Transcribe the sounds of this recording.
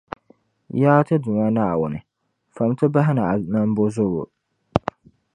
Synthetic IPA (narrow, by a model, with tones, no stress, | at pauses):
jaː˦tɨ˦dʊ˨ma˦naː˦˨wʊ˦nɨ˨ | fa˨m˦tɨ˦ba˦ɦɪ˦na˨nɨ˦m˦bo˦zʊ˦ɣo̰˨